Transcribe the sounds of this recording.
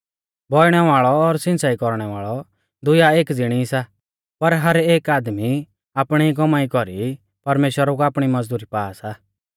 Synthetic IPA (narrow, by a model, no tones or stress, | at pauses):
bʱɔɪɽ̃ɛʋaːɭɔːɾsɪ̃nsaːikɔɾɽ̃ɛʋaːɭɔ | d̪ʊjaeːkd͡zɪɽ̃isa | pɐɾɦɐɾeːkaːd̪mi | aːpɽ̃iik̬ɔmaːikɔɾi | pɐɾmeːʃwəɾɔkuaːpɽ̃imɐd͡zd̪uːɾipaːsa